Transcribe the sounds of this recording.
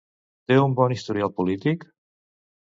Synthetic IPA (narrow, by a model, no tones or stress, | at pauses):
t̪eumbɔnist̪uɾialˠpulit̪ik